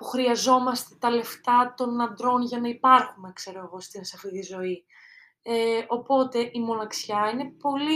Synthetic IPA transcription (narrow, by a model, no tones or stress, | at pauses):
puxɾiɐzo̞mɐst̪e̞t̪ɐle̞ft̪ɐt̪o̞nɐnd̪ɾo̞nʝɐnɐipɐɾxumekse̞ɾoeɣo̞st̪insɐfiðizo̞i | eʔo̞po̞t̪e̞ʔimo̞nɐksçɐine̞po̞li